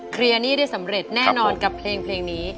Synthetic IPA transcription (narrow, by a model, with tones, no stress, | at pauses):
kʰɾi˧ɐniː˥˩da˥˩jsa˩˦mɾe˨˩t̪̚nɛː˧˥˩nɔː˧nka˨˩pʰleː˧ŋpʰleː˧ŋniː˦˥